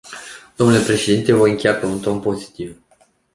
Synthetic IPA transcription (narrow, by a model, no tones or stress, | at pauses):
d̪̥o̞mnule̞pɾe̞ʃe̞d̪int̪e̞vo̞jɨŋkʲejapemunt̪oɨnpo̞zi̥t̪iv